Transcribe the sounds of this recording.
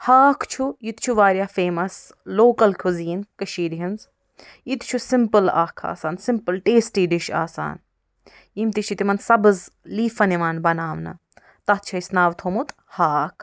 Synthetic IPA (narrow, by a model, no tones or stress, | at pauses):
haːkʰt͡ʃʰujit̪t͡ʃʰuʋaːɾjaːfeːmɐs | loːkɐlkʰuziːnkɐʃiːɾiɦinz | it̪t͡ʃʰusimpəla̰ːkʰa̰ːsaːnsɪmpɨlʈeːsʈiːɖiʃa̰ːsa̰ːn | imt̪it͡ʃʰit̪imɐnsɐbɨzliːfɐniʋaːnbɐnaːʋnɐ̰ | t̪ɐt̪̚t͡ʃʰɐisnaːʋt̪ʰoːmut̪ | haːkʰ